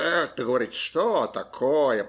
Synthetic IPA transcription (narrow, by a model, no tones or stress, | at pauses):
ɛt̪ːəɡəvɐɾʲit̪ʂt̪ot̪ɐkʰojə